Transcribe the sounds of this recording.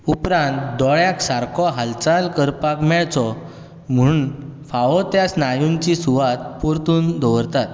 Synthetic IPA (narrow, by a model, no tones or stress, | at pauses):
upɾãnt̪d̪ɔɭjaksaɾkʰɔɦalt͡salkəɾpakmjat͡sɔ | m̤unfaʋɔt̪jasnajuɲt͡ɕisuʋat̪̚puɾt̪uːnd̪ɔʋəɾt̪at̪